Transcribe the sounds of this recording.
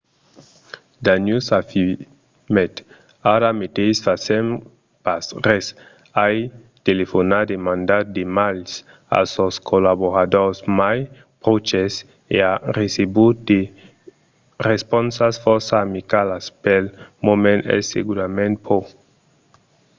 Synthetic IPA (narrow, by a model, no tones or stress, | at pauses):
d̪anjusafi | met̪ | aɾamet̪esfasem | pasɾes | aj | t̪elefonad̪emãnd̪ad̪emals | a̰soskʰolaβoɾad̪oɾsmaj | pɾot͡ʃes | earesebud̪e | respɔnsasfɔɾsaːmikalaspelmomẽnɛ̰sḛɡuɾamẽnt̪̚pʰo